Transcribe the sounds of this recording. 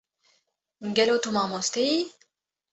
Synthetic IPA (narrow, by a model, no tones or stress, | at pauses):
ŋɡelot̪umamost̪ij